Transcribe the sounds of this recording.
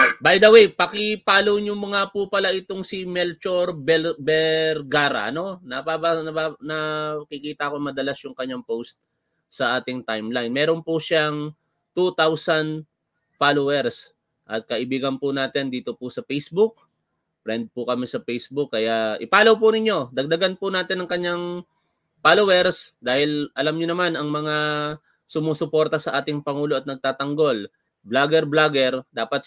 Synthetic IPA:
bajd̪ɐwejpɐkɪpaːlowɲʊŋmɐŋapʊpɐlaʔɪt̪o̞ŋsɪmɛlt͡ʃoɾbɛlbɛɾɡaːɾɐ̰ʔɐno̞nɐpabaɐbanɐkɪkiːt̪ɐʔɐkoŋmɐd̪ɐlasjʊŋkɐɲːaŋpowst̪̚ | sɐʔaːt̪ɪŋt̪ajmlanmɛːɾonpʊʃaŋ | t̪ut̪awsɐn | falowɛɾs | ʔɐt̪̚kɐʔɪbiːɡɐnpʊnaːt̪ɪnd̪iːt̪opʊsɐpɛjsbʊk̚ | fɾɛnd̪̚pʊkɐmisɐpɛjsbʊkːɐjaʔɪpaːlɐwpʊnɪɲːo̞d̪ɐɡ̚d̪ɐɡanpʊnaːt̪ɪnɐŋkɐɲːaŋ | falowɛɾsd̪aːhɪlʔɐlamɲonɐmanɐŋmɐŋa | sʊmuːsʊpo̞ɾt̪ɐsɐʔaːt̪ɪŋpɐŋuːlo̞ʔɐt̪nɐɡ̚t̪aːt̪ɐŋɡo̞l | blaɡɛɾblaɡɛɾd̪aːpɐt̪̚

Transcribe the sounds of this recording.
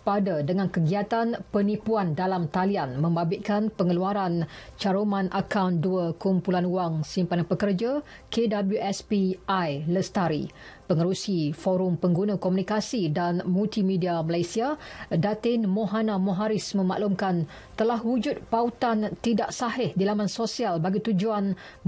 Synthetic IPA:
padadəŋãnkəɡiat̪anpənipuandalamt̪alianmə̃mbabɪʔkanpəŋəluaɾant͡ʃaɾomãnʔakawnduəkumpulanuaŋsimpanapəkərd͡ʒa | kedabəljuʔɛspiajləst̪aɾḭ | pəŋəɾusifoɾʊmpəŋɡunãkomunikasidanmult̪imidiaməlajsiadat̪ɪnmõɦanãmõɦaɾɪsmə̃ma̰ʔlumkan | t̪əlaɦwud͡ʒʊt̪̚paut̪ant̪idaʔsaɦɪhdilamansosialbaɡit̪ud͡ʒuan

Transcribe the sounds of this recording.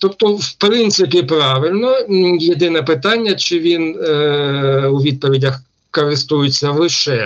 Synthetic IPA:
t̪ɔpt̪ɔwpɾɪnt̪sɪpʲipɾɑʋɪlʲnɔjed̪ɪnɛpɪt̪ɑnʲːɐt͡ʃɪʋʲin | uʋʲid̪̚pɔʋʲidʲɐx | kɔɾɪst̪ujɪt͡sʲːɐlˠɪʃɛ

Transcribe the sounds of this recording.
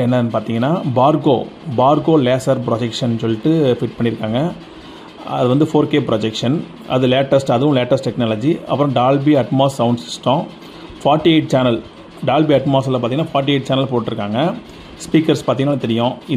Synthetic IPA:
ɛnːɐpaːɾt̪iːŋɡɐnːaːbaːɾɡoːbaːɾɡoːleːsɐɾp̬ɾɔd͡ʒɛkʂɐnsɔlːɪʈːɯfɪʈ̚pɐɳːɪɾɯkːaːŋɡɐ | ɐðɯʋɐnd̪ɯfoːɾkeːpɾɔd͡ʒɛkʂɐn | ʔɐ̰ðɯleːʈːɐsʈɐðɯʋʊ̃leːʈːɐsʈʈːɛknaːlɐd͡ʒiɐ̰pːɯɾɔ̃ɖaːlbiɐʈmaːsːɐʊɳɖsɪsʈːõ | faːɾʈːieɪʈ̚t͡ʃaːnɐl | ɖaːlbiɐʈmaːs̬ɛlɐpaɾt̪iŋɐnːaːfaːɾʈ̬ːieɪʈ̚t͡ʃaːnɐlpoːʈʈːɪɾɯkːaːŋɡɐ | spiːkɐɾspaːt̪iŋɡɐnːaːɐt̪ɛɾɪjʊ̃ɪ

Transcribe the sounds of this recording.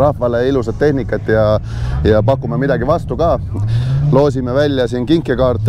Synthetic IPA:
ɾɑhvɑleilusɑd̪̚ːe̞hnikːˑɑt̪ːˑjɑ | jɑpɑkːˑumemid̪ɑɡivɑst̪ukɑː | lo̞ːs̬imevælʲːjɑsiːnkiŋkːˑekɑːrt̪ːˑ

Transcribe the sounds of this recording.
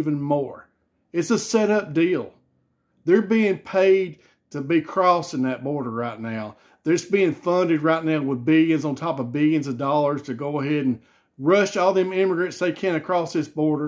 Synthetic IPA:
vɨ̃nmɔɹ | ɨtsəsɛɾʌp̚d̥ilˠ | ðə˞biɪ̃ŋpʰeɪd̚ | tʰɨbikʰɹ̥ɔsɨ̃ŋðɨt̚b̥ɔɹɾə˞ɹaɪtⁿnaʊ | ðə˞sb̥iɪ̃ŋfʌ̃ndɨd̚ɹaɪtⁿnaʊwəðbɪlˠjɨ̃nzn̩tʰɑpʌvbɪlˠjɨ̃nzʌvdɔlˠə˞z̥tʰɨɡoʊəɦɛɾn̩ | ɹʌʃɔlˠðɨ̃mɪ̃məɡɹɨ̃ntsðeɪkʰæ̃nkʰɹ̥ɔsðɪsb̥ɔɹɾə˞

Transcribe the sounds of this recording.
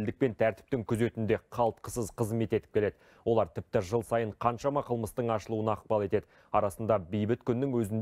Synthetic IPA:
ld̪ɪk̚pe̞nt̪ʰæɾt̪ɪ̥p̚t̪ɪŋkʲʰʏze̞t̪ɪnd̪e̞qʰɑlˠt̪̚qə̥səzqʰəzme̞t̪e̞t̪ɪ̥pkʲʰe̞le̞d̪ɪ | wʔo̞lˠɑɾt̪ʰɪp̚t̪ɪʒəlˠsɑjəɴqʰɑnʃɑmɑqʰəlˠməst̪əɴɑʃəlˠuənɑːq̚pɑlˠe̞t̪e̞d̪ɪ | ɑɾɑsənd̪ɑbejbɪt̪kʲʰʏnːɪŋwɵzɪn

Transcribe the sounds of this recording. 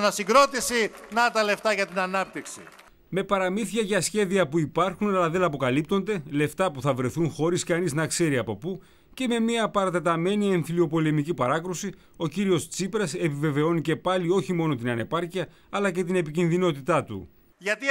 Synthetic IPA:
nɐsiɡɾo̞t̪isinɐt̪ɐle̞ft̪ɐʝɐt̪inɐnɐp̚t̪iksḭ | me̞pɐɾɐmiθiɐʝɐsçe̞ðiɐpuipɐɾxunɐlɐðe̞nɐpo̞kɐlip̚t̪o̞nd̪e̞le̞ft̪ɐpuθɐvɾe̞θunxo̞ɾiskɐniznɐkse̞ɾiɐpo̞pu | ce̞me̞miɐpɐɾɐt̪e̞t̪ɐme̞nie̞ɱfilio̞po̞le̞micipɐɾɐkɾusi | o̞ciɾio̞st͡sipɾɐse̞pive̞ve̞o̞nice̞pɐlio̞çimo̞no̞t̪inɐne̞pɐɾciɐ | ɐlɐce̞t̪ine̞picinðino̞t̪it̪ɐt̪ṵ | ʝɐt̪i

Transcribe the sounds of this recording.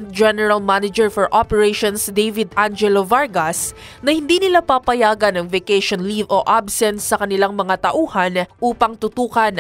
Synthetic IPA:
t̪̚d͡ʒɛnɛɹɐlmanɐd͡ʒɛɹfɔɹʔopɛɹeʃonsd̪ejvɪd̪ʔand͡ʒɛlovaɹɡɐs | nɐhɪnd̪inɪlapapɐjaːɡɐnɐŋvɛkɛʃonlivoʔabsɛnsːɐkɐnɪlaŋmɐŋat̪ɐʔuːhɐnʔuːpɐŋt̪ʊt̪uːkɐn

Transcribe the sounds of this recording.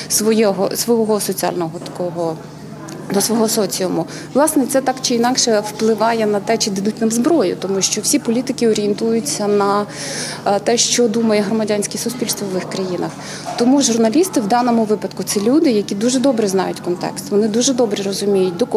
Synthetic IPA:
sʋɔjɔɦɔsʋɔɔɦɔsɔt͡sʲiɑ̰lʲnɔɦɔt̪ɐ̥kɔɦɔ | nɐsʋɔɦɔsɔt͡sʲijˠɔmʊ | ʋlˠɑsnɛt̪sɛt̪ɑkt͡ʃɪinɑkʃɛwplˠɪʋɑjɛnɐt̪ɛt͡ʃɪd̪ɪd̪utʲnɐmzbɾɔjʊ̰t̪ɔmuʃt͡ʃɔwsʲipɔlʲit̪ɪkʲɪɔɾʲijɛnt̪ujʊt͡sʲːɐnɐ | t̪ɛʃt͡ʃɔd̪umɐjɛɦrɔmɐdʲanʲsʲkɛsʊsʲpʲilʲst̪ʋɔʋʋɪxkɾɐjinɐ̰x | t̪ɔmuʒʊrnɐlʲist̪ɪwd̪ɑnɔmʊʋɪpɐd̪kʊt̪sɛlʲud̪ɪjɐkʲid̪uʒɛd̪ɔbɾɛznɑ̰jʊtʲkɔnt̪ɛ̰kst̪ʋɔnɪd̪uʒɛd̪ɔbɾɛɾɔzʊmʲijʊt̚ʲd̪ɔk

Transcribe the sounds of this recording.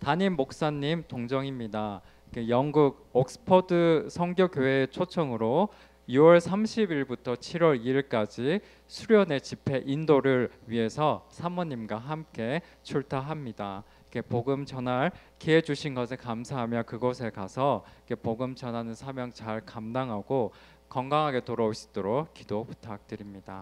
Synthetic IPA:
taɲimːok̚s͈aɲːimtoŋd͡ʑʌŋimɲida | ikejʌŋɡuɡ̚ | ok̚s͈ɯ̥pʰʌdɯsʰʌŋɡjokjoɦe̞t͡ɕʰot͡ɕʰʌŋɯɾo | iwʌɭsʰamɕʰibiɭbutʰʌt͡ɕʰiɾwʌɾiiɭk͈ad͡ʑi | sʰuɾjʌne̞t͡ɕipʰe̞ʔindoɾɯɭɥiɦe̞sʰʌsʰamʌɲːimɡwaɦamk͈e̞ | t͡ɕʰuɭtʰaɦamɲida | ikʰe̞poɡɯmt͡ɕʌnaɭ | kied͡ʑuɕʰinɡʌsʰekamsʰaɦamjʌkɯɡʌsʰe̞kasʰʌikʰe̞poɡɯmt͡ɕʌnɦanɯnsʰamjʌŋt͡ɕaɭkamdaŋɦaɡo | k͈ʌŋɡaŋɦaɡe̞toɾʌoɕʰi̥t͈oɾok̚k͈idopu̥tʰak̚t͈ɯɾimɲid̥a

